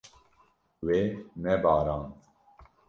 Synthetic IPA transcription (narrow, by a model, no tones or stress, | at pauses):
weːnɛbɑːɾɑːn